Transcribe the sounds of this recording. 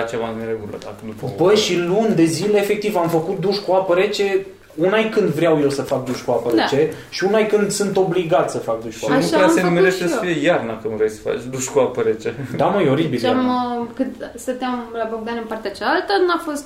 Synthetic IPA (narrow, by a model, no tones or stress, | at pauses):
t͡ʃevaneɾeɡulə̰d̪akənupbəjʃilund̪e̞zile̞ːfe̞k̚t̪ivamfəkut̪̚d̪uʃkuapəɾet͡ʃe̞ | unajkɨnd̪vɾeawje̞wsəfak̚d̪uʃkuapəɾet͡ʃe̞ | ʃiunajkɨnd̪sɨnt̪o̞bliɡat̪ʲsəfak̚d̪uʃkuanuassenumeɾeʃt̪esəfijejarnakəmvɾejsə̥fa̰t͡ʃʲd̪uʃkuapəɾet͡ʃed̪amajo̞ɾibilamkɨnd̪st̪ət̪eamlaboɡ̚d̪anɨmpart̪eat͡ʃalalt̪ənuafo̞st̪